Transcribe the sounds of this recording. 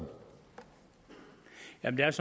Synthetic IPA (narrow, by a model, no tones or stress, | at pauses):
jæmn̩d̥eæɐsɒ